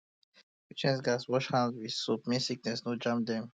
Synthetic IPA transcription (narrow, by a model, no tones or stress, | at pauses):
wit͡ʃɛ̃ns̬ɡaswɔʃhãnzwið̥sup̚mĩnsik̚nɛsnod͡ʒãmp̚d̪ɛ̃m